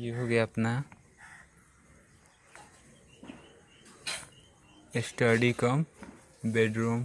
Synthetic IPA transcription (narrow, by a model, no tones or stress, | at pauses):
jeɦoɡapna | esʈʌɖikʌm | beɖɾum